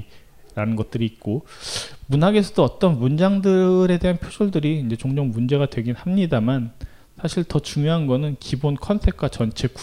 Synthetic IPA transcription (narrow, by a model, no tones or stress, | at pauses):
ɾanɯnɡʌt̚t͈ɯɾiːk̚k͈o | munɦaɡe̞sʰʌdoʌt͈ʌnmund͡ʑaŋdɯɾe̞de̞ɦanpʰosʰoɭdɯɾiːnd͡ʑe̞t͡ɕoŋd͡ʑoŋmund͡ʑe̞ɡadwe̞ɡinhamɲidaman | sʰaɕʰiɭtʌt͡ɕuŋjoɦanɡʌnɯnkibonkʰʌnsʰe̞k̚kwat͡ɕʌnt͡ɕʰe̞ku